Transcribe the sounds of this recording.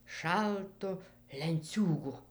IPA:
ˈʃɐlˠtʊ lʲɛnʲˈt͡sʲuːɡʊ

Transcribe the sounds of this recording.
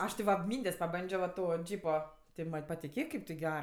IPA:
ˈɐʃ tʲɪ ʋɐ ˈmʲiːnʲdʲeːsʲ pɐˈbɐnʲd͡ʒʲoː ʋɐ ˈtoː ˈd͡ʒʲiːpoː tʲɪ ˈmɐnʲ pɐtʲɪˈkʲeːk kɐɪp tʲɪ ˈɡʲær

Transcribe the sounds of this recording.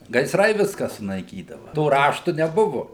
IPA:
ɡɐɪˈsrɐɪ ˈʋʲɪskɐ sʊnɐɪˈkʲiːdɐʋɐ toː ˈrɑːʃtʊ nʲɛˈbʊʋʊ

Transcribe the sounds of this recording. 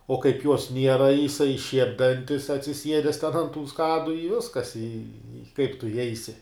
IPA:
oː kɐɪp juɔs ˈnʲiɛrɐ jɪˈsɐɪ ʃʲiɛpʲ ˈdɐnʲtʲɪs ɐtʲsʲɪˈsʲiɛdʲɛs tʲɛn ɐnt tuː ˈskɑːdʊ ɪ ˈʋʲɪskɐs ɪ ɪ kɐɪp tʊ ɪˈjɛɪsʲɪ

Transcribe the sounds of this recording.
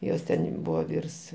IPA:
ˈjoːs tʲɛnʲ ˈbuːʋɐ ˈʋʲiːrs

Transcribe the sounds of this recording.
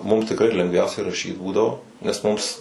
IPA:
mʊm tʲɪkˈrɐɪ lʲɛŋɡˈʋʲɛʊsʲɛɪ rɐˈʃʲiːt ˈbuːdɐʋoː nʲɛs ˈmʊms

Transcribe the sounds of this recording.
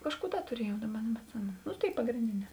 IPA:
ˈkɑːʃˌkuː ˈdɐ tʊˈrʲiɛjɛʊ ˈdɑːˌbɐ nʲɛbʲɛtʲˈsʲɪmʲɛnʊ nʊ ˈtʲeːɪ pɐɡrʲeːnʲˈdʲeːˌnʲɛː

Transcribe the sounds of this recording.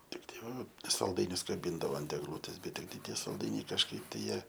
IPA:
ˈtʲɪktɐɪ ˈʋɐ sɐlˠˈdɐɪnʲʊs kɐˈbʲiːndɐʋoː ɐnt ɛɡˈlˠuːtʲeːs ˈbʲɛt ˈtʲɪktɐɪ ˈtʲiɛ sɐlˠˈdɐɪnʲɛɪ kɐʃˈkɐɪp tɐɪ ˈjiɛ

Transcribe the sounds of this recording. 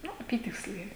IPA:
ˈnʊ ɐˈpʲiːtʲɪksʲlʲɛɪ

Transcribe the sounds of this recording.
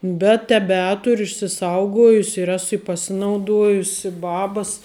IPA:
bʲɛt tʲɛˈbʲæːtʊrʲʊ ɪʃʲsʲɪˈsɐʊɡoːjʊsʲɪ ɪr ˈæːsʊ ɪ pɐˈsʲɪnɐʊˌduɔjʊsʲɪ ˈbɑːbɐs

